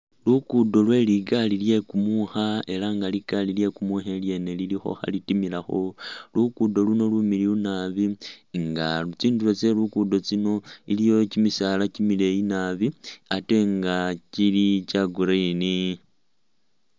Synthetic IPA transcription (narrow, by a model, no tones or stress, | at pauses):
lukudo̞lwe̞liɡalilje̞kumuxae̞laŋɡaliɡ̥alilje̞kumuxelje̞nelilixo̞̰xa̰litimilaxo̞lukudo̞luno̞lumiliunaβiŋɡat͡siːndulo̞t͡se̞lukudo̞t͡sino̞ilijo̞cimisaːlacimile̞jinaβiate̞ŋɡacilicaɡuɾaini